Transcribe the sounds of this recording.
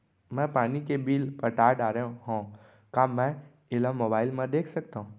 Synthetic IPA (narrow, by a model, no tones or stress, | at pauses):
mɛ̃paːnikebiːlpəɾʈaːɾɖaːɾẽɦõː | kaːmɛ̃ | ɪlamoːbaːɪlmẽd̪eːkʰsəkt̪aːɦũː